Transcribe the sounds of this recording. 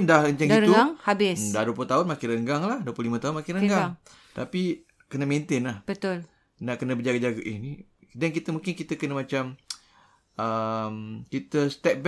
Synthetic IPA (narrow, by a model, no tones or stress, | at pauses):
ndahəɲt͡ʃaŋɡiəuɡaŋhabɪsdaduəploht̪aʊnmakɪnɾəŋɡaŋlahduəplohlimãt̪aʊnmakɪnɾəŋɡaŋ | t̪api | kənəmẽnt̪ɪnlahbət̪ʊl | naʔkənəbəd͡ʒaɡad͡ʒaɡaʔihnidɛnkit̪əmũŋkɪnkit̪əkənəmat͡ʃam | əmkit̪əst̪ɛp̚b